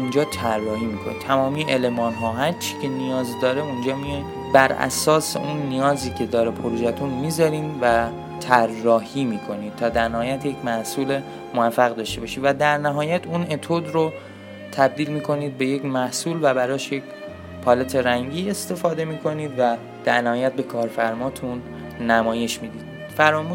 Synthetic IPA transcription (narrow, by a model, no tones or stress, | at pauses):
und͡ʒɒːt̪ʰærːɒːhiːmiːkʰonḭt̪ʰæmɒːmijeʔele̞mɒːnɦɒːɦæɾt͡ʃʰi̥ːcʰe̞nijɒːzd̪ɒːɾeund͡ʒɒːmi | bæɾæ̰sɒːsḛʔunːijɒːziːcʲʰe̞d̪ɒːɾepʰoɾuːʒæt̪ʰunmiːzɒɾiːnvæ | t̪ʰærːɒːhiːmiːkʰo̞niːd̪̥̚t̪ʰɒːd̪æɾnæhɒːjæt̪je̞cʰmæhsuːle | movæfːæɣd̪ɒːʃt̪e̞bɒʃiːd̪væd̪æɾnæɦɒːjæt̪ʰune̞t̪ʰod̪ɾo | t̪ʰæb̚d̪iːlmiːkʰo̞niːd̪̚be̞jecmæhsuːlvæbæɾɒːʃjec | pʰɒlet̪ʰe̞ɾæŋɟiːe̞st̪e̞fɒːd̪e̞miːkʰo̞niːd̪væ | d̪̥æɾnæhɒːjæt̪̚be̞kʰɒːɾfæɾmɒːt̪ʰunː | æmɒːje̞ʃmiːd̪iːd̥̪ | fæɾɒːmuː